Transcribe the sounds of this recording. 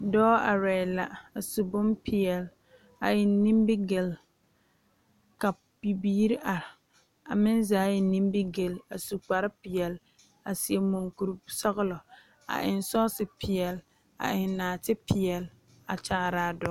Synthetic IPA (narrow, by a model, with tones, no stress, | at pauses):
dɔː˦a˨ɾɛ˨ɪ˨la˨a˨su˨bʊ˦mpʰɪ˨ɛ˨l | a˨ɪ˨nːĩ˦mbɪ˦ɡe˨l | ka˨ | b̥i˨biː˦ɾi˦ʔa˨ɾɪ˨ | a˨mɪ˦nzaː˨˦jɛ˨nĩ˦mbɪ˦ɡe˨la˨su˨k͡pa˨ɾɪ˦pɪ˨ɛ˨l | a˨si˨ɛ˨mo˨ŋku˨ɾu˦sɔ˦ɣɪ˦lɔ˨ | a̰˨ʔɪ˨nsɔː˦sɪ˨pʰɪ˨ɛ˨l | a̰˨ʔɪ˨nːaː˨tɪ˦pʰɪ˨ɛ˨l | a̰˨t͡ʃaː˨˦˨ɾa˨dɔ˦